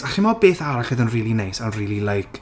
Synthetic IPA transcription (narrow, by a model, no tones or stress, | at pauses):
aχimɔbeːθaɾaɬɨðənriːlˠinejsanriːlˠilˠejkʰ